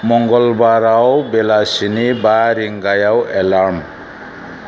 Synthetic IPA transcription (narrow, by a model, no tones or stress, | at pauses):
mɔŋɡʌlbaɾawbelasinibaɾiŋɡajawelam